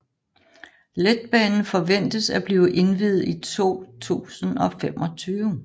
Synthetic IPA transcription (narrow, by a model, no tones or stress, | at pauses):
led̥̚b̥ɛːnn̩fɒ̽ʋen̰d̥əsæb̥liːʊʔe̝nʋið̩ˠit͡sʰo̝̰ːt͡sʰṵːsənɒ̽femʔɒ̽t͡sʰyːʊ